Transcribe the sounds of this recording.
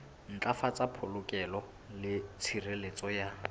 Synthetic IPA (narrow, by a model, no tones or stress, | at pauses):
n̩t͡ɬʼafat͡sʼapʰolʊkʼɛlɔ | lɪt͡sʰirelet͡sʼɔja